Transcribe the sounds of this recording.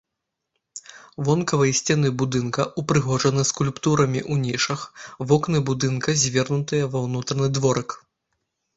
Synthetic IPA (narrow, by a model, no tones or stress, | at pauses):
vɔnkɐvɐjɐsʲt͡sʲɛnɨbud̪ɨnkɐʔupɾɨɣɔʐɐnɨskulʲpt̪uɾɐmʲiʔunʲiʂɐxvɔknɨbud̪ɨnkɐzʲvʲɛrnut̪ɨjɐvɐwnut̪ɾɐnɨd̪vɔɾɨk